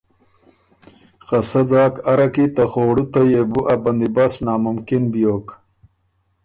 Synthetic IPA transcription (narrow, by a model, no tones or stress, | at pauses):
xɐsɐd͡zaːkɐɾɐkit̪ɐxoːɽut̪ɐjebuʔɐbɐnd̪ibasnaːmʊmkinbijoːk